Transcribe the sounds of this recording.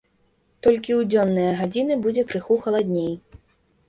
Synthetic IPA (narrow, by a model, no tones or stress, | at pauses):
t̪ɔlʲkʲiwd͡zʲɔnːɨjɐɣad͡zʲinɨbud͡zʲɛkɾɨxuxɐlˠad̪ʲnʲej